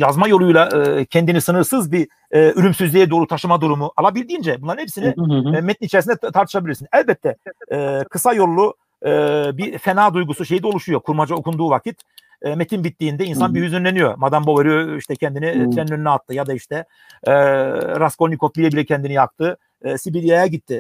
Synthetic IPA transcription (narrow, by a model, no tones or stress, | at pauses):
jazmajo̞lˠujlˠaʔcʰɛnd̪inisɯnɯɾsɯzbi | yɾymsyzlʲijɛd̪o̞ːɾut̪ʰaʃɯmad̪uɾumuʔalˠabilʲd̪iːnd͡ʒɛbunˠaɾnhɛpsinimɛt̪init͡ʃʰeɾis̬ind̪ɛt̪ʰaɾt̪ʰɯ̥ʃabilʲiɾsinɛlʲbɛt̪ʰːɛɛkʰɯsajo̞lˠːu | bifenaːd̪ujɡusuʃe̞jid̪ɛolˠuʃujo̞kʰuɾmad͡ʒao̞kʰund̪uːvacʰit̪ː | met̪ʰinbit̪ːiːnd̪ɛinsanbiɦyzynlʲenijo̞̰mad̪amboveɾɯjoiʃt̪ʰɛcʰɛnd̪init̪ʰɾɛnːʲønynɛat̪ʰːɯjad̪aiʃt̪ʰɛ | ɾasko̞lʲnikʰok̚bilɛbilʲɛcʰɛnd̪inijak̚t̪ʰɯː | sibilʲijajaɟit̪ʰːɪ